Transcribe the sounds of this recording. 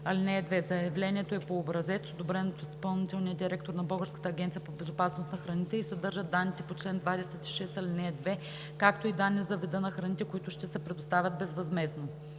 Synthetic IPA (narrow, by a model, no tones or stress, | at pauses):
ɐlinɛd̪vɛzɐjɐvlɛniɛt̪oɛpoːbɾɐzɛt̪sod̪obɾɛnot̪oispɐlˠnit̪ɛlˠnijəd̪iɾɛkt̪oɾnɐbɤlˠɡəɾskət̪əːɡʲɛnt̪sijəpobɛzopasnosnɐxɾɐnit̪ɛisɐd̪ɤɾʒəd̪anːit̪ɛpot͡ʃlɛnd̪vad̪ɛsɛt̪i̥ʃɛsɐlɛnɛd̪vɛ | kakt̪oid̪anːizɐvid̪ɤnɐxɾɐnit̪ɛkoit̪ʊʃt̪ɛsɛpɾɛd̪ost̪avʲət̪̚bɛzvɐzmɛzno